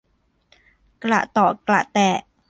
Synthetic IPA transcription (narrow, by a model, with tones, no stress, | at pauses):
kla̰˨˩ʔt̪ɔː˨˩kla̰˨˩ʔt̪ɛː˨˩